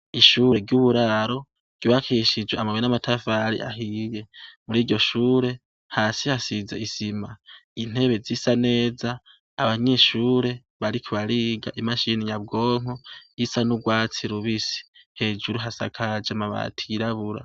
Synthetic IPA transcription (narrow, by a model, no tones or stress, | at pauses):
iʃuːɾe̞ɡɟjuβuɾaɾo̞ | ɟ̥oβakʰiʃid͡ʒweamaβwenamatʰafaɾḭʔa̰ɦiːje̞muɾiːɟɟo̞ʃuːɾe̞ | haːsihasizḛisimain̥e̞βe̞zisane̞ːzaː | βaɲe̞ːʃuːɾe̞ | βaɾikʰiβaɾiɡaʔimaʃiniɲab̚ɡo̞ːŋ̥oisanuɡwaːt͡siɾuβisi̥he̞ːd͡ʒuɾuɦasa̰kʰad͡ʒamaβa̰tʰiɾaβuɾa̰